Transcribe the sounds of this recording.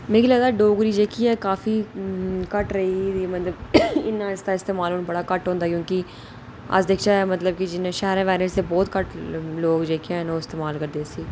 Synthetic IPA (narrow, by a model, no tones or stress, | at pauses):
meːɡilaːlaːɖoːɡɾiːd͡ʒeːkʰiɛːkaːfiːkəʈɾəɦiːimət̪ləbɪnaɪst̪aːɪst̪eːmaːloːnbəɽaːkəʈɦõːnd̪aːkjõːki | a̰d͡ʒd̪eːkʰt͡ʃaɛmət̪ləb̚kid͡ʒɪnːʃɛɦɾãːʋɛːɾəsebɔːt̪kəʈloːɡd͡ʒeːkʰeɦɛ̃ːnoːɪst̪eːmaːlkəɾd̪eːsiː